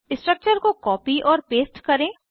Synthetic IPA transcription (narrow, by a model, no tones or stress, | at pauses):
ɪsʈɾək̚t͡ʃəɾkokɔːpiʔɔːɾpeːsʈkɐɾẽː